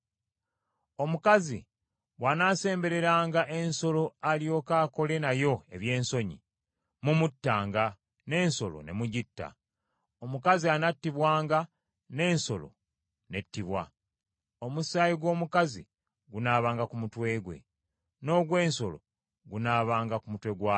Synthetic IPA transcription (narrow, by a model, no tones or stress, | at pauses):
o̞mukazi | βwanaːse̞ːmbe̞ɾe̞ɾaːŋɡaʔe̞nso̞lo̞alijo̞ːkaːko̞le̞najo̞e̞βje̞ːnso̞ɲḭ | mumutːaːŋɡa | ne̞ːnso̞lo̰ne̞̰muɟitːa̰ | omukazianatːiβwaːŋɡa | ne̞ːnso̞lo̞̰ | ne̞tːiβwa̰ | omusajiɡwo̞ːmukazḭ | ɡunaːβaːŋɡakumutwe̞ːɡwe̞̰ | no̞ːɡwe̞ːnso̞̰lo̞̰ | ɡunaːβaːŋɡakumutwe̞ɡwa